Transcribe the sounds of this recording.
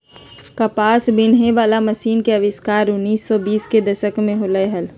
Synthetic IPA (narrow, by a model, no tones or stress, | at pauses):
kɐpaːsbɪnɦeʋaːlaməsiːnkeɐʋɪskaːɾʊnːiːsːɔbiːsked̪ɐʃəkmẽɦʊləɦəl